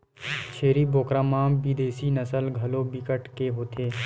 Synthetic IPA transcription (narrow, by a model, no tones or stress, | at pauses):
t͡ʃʰeːɾiboːkɾãːmaːmbid̪eːsinəsəlɡʱɐloːbɪkəʈkeɦoːt̪ʰeː